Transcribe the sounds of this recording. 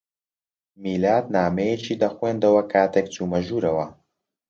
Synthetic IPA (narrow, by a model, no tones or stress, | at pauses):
miːlaːt̪naːmejet͡ʃiːd̪ɐxweːnd̪ɐwɐkʰaːt̪ʰek̚t͡suːmɐʒuːɾɐwɐ